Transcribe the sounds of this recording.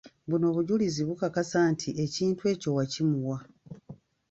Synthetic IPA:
βuno̞ːβuɟuliziβukakasaːntʰiʔe̞ciːntue̞ːco̞wacimuwa

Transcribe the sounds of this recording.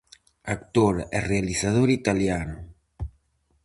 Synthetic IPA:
akt̪oɾerealisað̞oɾit̪aljanu

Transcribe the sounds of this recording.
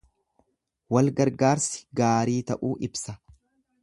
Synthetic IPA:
wɐlɡɐɾɡaːɾsɪ̥ɡaːɾiːt̪ɐʔuːʔɪbsɐ

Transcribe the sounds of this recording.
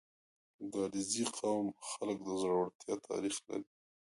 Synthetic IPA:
ɡɑɽiziqʰawmxalək̚d̪əzɽawəɽt̪jɑt̪ʰɑ̰ɾixla̰ɾi

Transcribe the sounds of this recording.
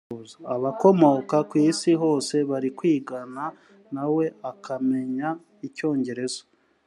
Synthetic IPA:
zaaβako̞mo̞kakwiːsiɦo̞ːse̞βaɾikwiːɡana | nawe̞akame̞ɲa | ico̞ːɲɟe̞ɾe̞zo̥

